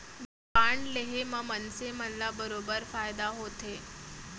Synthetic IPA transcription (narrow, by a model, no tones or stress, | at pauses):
d̪upaɳleɦeməmənsemənlabəɾobəɾfajd̪aɦot̪e